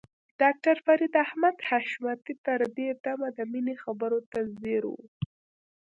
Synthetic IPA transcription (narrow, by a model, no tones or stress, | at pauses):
ɖ̥ɑk̚ʈaɾfaɾid̪ahmad̪haʃmat̪it̪əɾd̪ed̪amad̪əminexabəɾot̪azeɾṵ